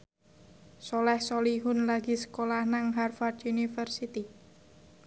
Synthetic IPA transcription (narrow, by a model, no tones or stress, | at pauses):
solɛhsoliɦʊnlaɡi̤sə̥kolahnaŋɦarfard̪unifərsit̪i